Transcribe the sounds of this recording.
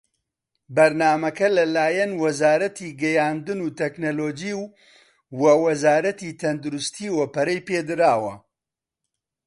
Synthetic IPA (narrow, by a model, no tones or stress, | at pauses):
bɐɾnaːmɐkɐlɐlaːjɐnwɐzaːɾɐt̪iːɡɛjaːnd̪ɨnuːt̪ɛknoloːd͡ʒiw | wɐwɐzaːɾɐt̪iːt̪ʰɐnd̪uɾʊst̪ʰiːwɐpɐɾɐjpeːd̪ɨɾaːwɐ